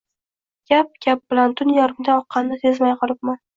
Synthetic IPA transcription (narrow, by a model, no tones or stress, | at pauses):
ɡ̥ʲap̚ɡʲap̚b̥ɪlant̪ʰʊnjaɾɪmd̪aɒqʰːɑnːɪsezmajqʰɨlˠɪp̚man